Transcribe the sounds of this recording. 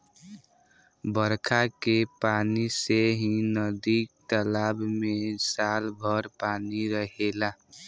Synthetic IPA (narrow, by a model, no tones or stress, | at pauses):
bəɾkʰakepaːniseɦinəd̪ik̚t̪əlaːbmẽsalbʱəɾpaːniɾəɦela